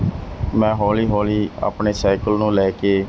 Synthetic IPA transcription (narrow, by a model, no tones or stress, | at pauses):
mɛ̃ːɦɔːliːɦɔːliːa̰ːpɳeːsaːɪkəlnũːlɛːkeː